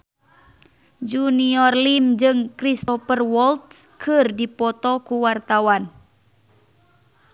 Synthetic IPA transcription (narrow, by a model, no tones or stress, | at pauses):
d͡ʒuniɔrlimd͡ʒɨŋkɾist̪ɔpərwɔlt̪̚kʰɨrdipɔt̪ɔkuwart̪awan